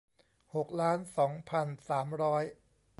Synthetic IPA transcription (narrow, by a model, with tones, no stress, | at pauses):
ho˨˩k̚laː˦˥nsɔː˩˦ŋpʰa˧nsaː˩˦mɾɔː˦˥j